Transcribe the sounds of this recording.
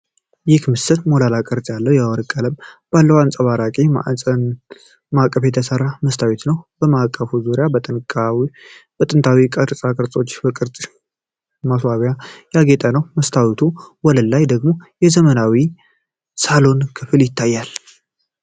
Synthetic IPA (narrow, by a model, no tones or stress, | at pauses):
jɪkmɨsɨt̪molalakʼəɾt͡sʼjalːəwjawɔɾkʼːələmb̥alːəwant͡sʼəβaɾakʼima̰ə | makʼːəfjɛt̪ʰəsərːaməst̪ʰawet̪nəwb̥əmakʼːəfuzuɾɪjabət̪ʼɨ | b̥ət̪ʼɨnt̪ʰawikʼəɾsʼakʼɨɾt͡sʼo̞t͡ʃːbəkʼɨɾt͡sʼ | maswaβjajaɡet̪ʼənəwməst̪ʰawit̪ʰuwɔləlːajd̪əɡmo̞jɛzəmənawi | salo̞nkʰɨfɨljɪt̪ʰːajːal